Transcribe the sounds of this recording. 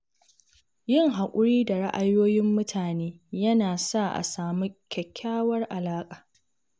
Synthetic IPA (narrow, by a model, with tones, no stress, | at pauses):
jɪ˦ŋɦa˨kʷʼʊ˦ɽiː˦da˨ɽa˦ʔa˨joː˦jɪ˦mːʊ˦tʰaː˨neː˦ | jɐ˦naː˨sa˦ʔa̰˨saː˨mi˦kʲɛ˨kʲʰːaː˦wɐ˦rʔa˨laː˦kʼaː˨